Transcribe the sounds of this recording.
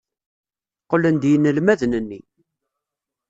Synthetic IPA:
qːələnd̪jənːəlmæðnənːi

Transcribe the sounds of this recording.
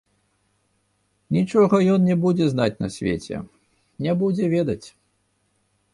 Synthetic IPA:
nʲit͡ʂɔɣɐjɔnnʲɛbud͡zʲɛznat͡sʲnɐ̰sʲvʲḛt͡sʲɛ̰ | nʲɛbud͡zʲɛvʲɛd̪ɐt͡sʲ

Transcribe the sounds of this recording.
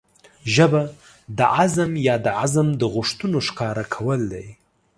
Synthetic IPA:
ʒəba | d̪əʔazamjɑd̪əʕazamd̪əɣʊʂt̪unoʃkɑɾakʰawəld̪aj

